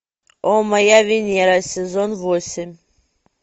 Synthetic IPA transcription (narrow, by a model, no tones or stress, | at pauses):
omɐjavʲɪnʲeɾasʲɪzonvosʲɪmʲ